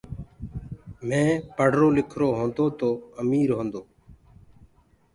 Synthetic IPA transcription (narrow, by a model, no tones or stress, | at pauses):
mẽːpəɽ̤ʱɾoːlɪkʰɾoːɦõːnd̪oːt̪oːəmiːɾɦõːnd̪oː